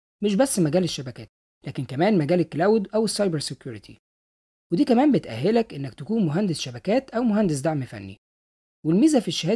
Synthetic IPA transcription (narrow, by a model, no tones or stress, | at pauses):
meʃ̬bæsːmæɡæːleʃːæbækæ̰ːt̪̚ | lʔæːkenkæmæːnmæɡæːlekːælæːwd̪ʔæwesːɑjbeɾsekjuːɾit̪ʰḭ | wed̪iːkæmæːmbet̪ʔæ̰ɦːelækʔenːækt̪ækuːnmoɦænd̪esʃæbækæːt̪ʔæwmoɦænd̪es̬d̪aʕmifæ̰nːḭ | welmiːzæfiʃːæhæː